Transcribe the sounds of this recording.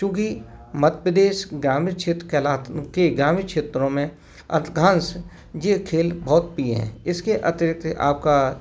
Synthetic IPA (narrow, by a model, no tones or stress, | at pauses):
ʃʊɡimɐt̪pɾəd̪eːʃɡɾaːmɪkʃeːt̪ɾəkelaːt̪keɡɾaːmɪkʃeːt̪ɾõmẽ | ɐ̰t̪ɡʱãːns | jekʰeːlbɔːt̪̚piḛɦɛ̰̃ɪskeʔɐt̪ɪɾɪk̚t̪a̰ːp̚ka